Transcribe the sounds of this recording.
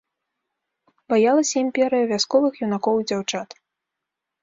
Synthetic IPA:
bajalˠɐsʲɐimʲpʲɛɾɨjɐvʲaskɔvɨxjunakɔwd͡zʲawt͡ʂat̪

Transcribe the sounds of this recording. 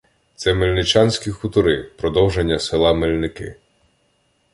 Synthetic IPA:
t̪sɛmelʲnɪt͡ʃɑnʲsʲkʲixut̪ʊɾɪpɾɔd̪ɔwʒenʲːɐsɪlˠɑmelʲnɪkɪ̰

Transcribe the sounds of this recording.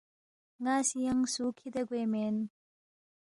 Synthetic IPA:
ŋasijaŋsukʰid̪ɐɡwemen

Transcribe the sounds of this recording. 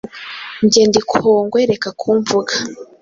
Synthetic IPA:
ɲɟeːndikʰoːŋɡweɾekakʰuːɱvuɡḁ

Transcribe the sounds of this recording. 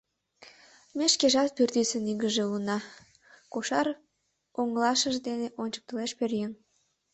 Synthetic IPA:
meʃkeʒɑt̪̚pyrt̪ysəniɣəʒeulənɑ | koʃɑr | oŋəlɑʃəʒd̪eneʔonʲt͡ɕə̥k̚t̪əleʃpørjəŋ

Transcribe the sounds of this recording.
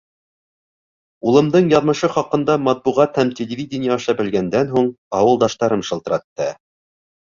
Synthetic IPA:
ulˠɤ̆md̪ɤɴjɑðmɤ̆ʃɤχɑqɤ̆nd̪ɑmɑt̪̚buʁɑt̪hæmtʲɪlʲɪvʲidʲɪnʲɪjɑːʃɑbɘ̆lɡænd̪ænɦuɴ | ɑwɤ̆lˠd̪ɑʃt̪ɑɾɤmʃɤ̆lˠt̪ɤ̆ɾɑt̪ːɤ

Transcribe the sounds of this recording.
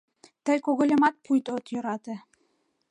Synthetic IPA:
t̪əjkoɣŏlʲemɑt̪̚pʰujt̪ot̪jø̆ɾɑt̪ĕ

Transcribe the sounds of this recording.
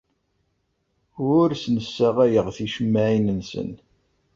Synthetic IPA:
ʊɾsnəsːæʁæjəʁθiʃəmːæʕinənsə̰n

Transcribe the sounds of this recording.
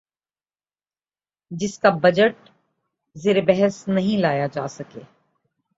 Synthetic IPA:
d͡ʒɪskabɐd͡ʒəʈ̚ | zeːɾebɛɦəsnɐɦĩlaːjad͡ʒaːsɐkḛː

